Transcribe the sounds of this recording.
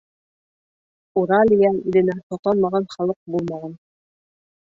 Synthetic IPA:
uɾɑlʲijɑiðɘ̆næt̪ɑt̪ɑnˠmɑʁɑnχɑlˠɤq̚bulˠmɑʁɑn

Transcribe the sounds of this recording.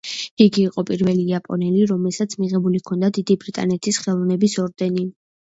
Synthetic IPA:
iɡiːqʼɔpʼiɾvɛliapʼɔ̰nɛliɾɔmɛlˠsat̪sʰmiʁɛbulikʰɔnd̪ad̪id̪ibɾit̪ʼa̰nɛt̪ʰisχɛlˠɔvnɛbisɔɾd̪ɛni

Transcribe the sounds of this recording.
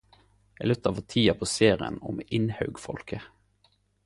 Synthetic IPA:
elʉt̪ɑʋət̪ʰiːɑpʰoːseːʁɪə̰nʊmɪnhɑʉɡfɔ̰lkʰə

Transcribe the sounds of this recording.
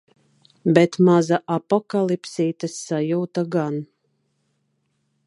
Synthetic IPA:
bɛt̪mazaʔapɔkalˠipsiːt̪asːajuːt̪aɡan

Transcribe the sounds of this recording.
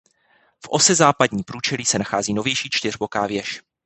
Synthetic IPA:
fʔo̞sɛzaːpadɲiːpɾuːt͡ʃɛliːsɛnaxaːziːno̞vjɛjʃiːt͡ʃt̪ɪrbo̞kaːvjɛʃ

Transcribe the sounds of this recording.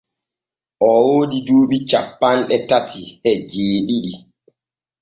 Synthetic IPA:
ʔɔwodiduːɓit͡ʃapːanɗɛtatihɛd͡ʒeːɗiɗi

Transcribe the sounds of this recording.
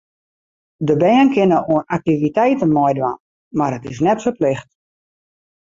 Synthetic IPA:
dəbɛːənkɪnəoənak̚tivitɛjtənmɔjdʋa̰n | marətɪs̬nɛtsoplɪxt

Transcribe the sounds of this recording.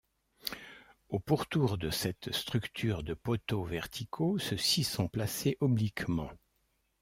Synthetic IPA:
opuʁt̪uʁd̪əsɛt̪st̪χykt̪ʰyːʁd̪əpɔt̪ovɛʁt̪ʰikʰosəsisɔ̃plaseʔɔblikmɑ̃

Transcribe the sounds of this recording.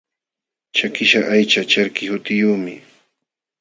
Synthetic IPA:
t͡ʃakɪʃaʔajt͡ʃat͡ʃaɾkɪhʊt̪ɪjuːmɪ̰

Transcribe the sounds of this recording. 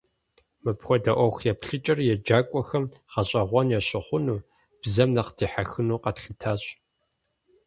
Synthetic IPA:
mɨpxʷɔdɐʔʷɔxjɛpɬɨt͡ʃʼɐrjɛd͡ʒaːkʷʼɔxɐmʁɐɕʼɐʁʷɔnjɛɕɪχʷʊnuː | b̥zɐmnɐqdʰiːħaxɨnuːqɐtxɨtʰaːɕʼ

